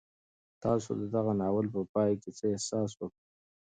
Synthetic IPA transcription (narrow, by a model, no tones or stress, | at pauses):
t̪ɑso̰d̪əd̪aɣanɑwəlpəpɑjket͡səehsɑs̬wəkɽə